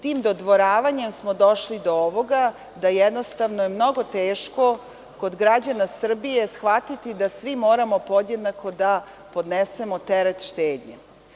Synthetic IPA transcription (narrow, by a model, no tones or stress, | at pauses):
t̪iːmd̪od̪ʋo̞ɾaːʋaɲe̞msmod̪o̞ʃlid̪ooʋo̞ɡa | d̪ajɛd̪no̞st̪aʋnojemno̞ɡo̞t̪eːʃko̞ | ko̞d̪ɡɾad͡ʑanasr̩bije̞sxʋat̪it̪id̪asʋimo̞ːɾamo̞po̞d̪je̞d̪nako̞d̪a | po̞d̪nese̞mot̪eɾet̪ʃt̪eːd̪ɲḛ